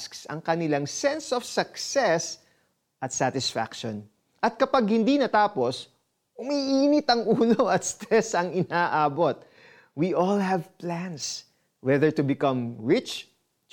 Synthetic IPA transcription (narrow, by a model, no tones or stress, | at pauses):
sksɐ̰ŋkɐnɪlaŋsɛnsofsɐksɛs | ʔɐt̪sat̪ɪsfa̰kʃon | ʔɐt̪̚kɐpaɡ̚hɪnd̪inɐt̪aːpo̞s | ʔʊmiʔiːnɪt̪ɐŋʔuːnoʔɐt̪st̪ɾɛsɐŋɪnaːʔaːbo̞t̪̚ | wiʔɔlhɐvplæns | wɛðɛɹt̪ʊbɪkɐ̃mɹɪt͡ʃ